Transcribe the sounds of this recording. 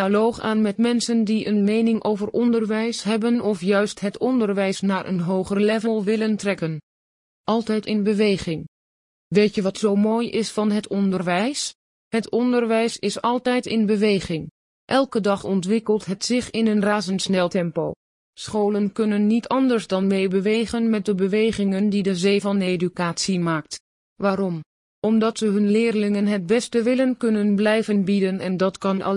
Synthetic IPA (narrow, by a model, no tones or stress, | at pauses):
alowχa̰ːnmɛtmɛnsəndiʔənmejnɪŋʔowvəɹɔndəɹʋɛjsɦɛbənɔfjœɥstɦətɔndəɹʋɛjsnaːɹʔə̰nɦowχərəlɛvəlˠʋɪləntrɛkən | ʔɑlˠtɛjtɪnbəʋejχɪŋ | ʋejtjəʋɑtsowmoːjɪsfɑnɦətɔndərʋɛjs | hətɔndəɹʋɛjsɪsɑlˠtɛjtɪnbəʋejχɪŋ | ʔɛlˠkədɑχɔntʋɪkəlˠtɦətsɪχɪnənraːzənsnɛlˠtɛmpow | sχowlənkɵnənːitʰɑndəɹzdɑnmejbəʋejχənmɛt̚dəbəʋejχɪŋəndidəzejvɑnejdykaːtsimaːk̚t | ʋaːɾɔm | ʔɔmdɑtsəɦɵnlɪːrlɪŋənɦət̚bɛstəʋɪlənkɵnənblɛjvənbidənɛndɑtkɑnɑ̰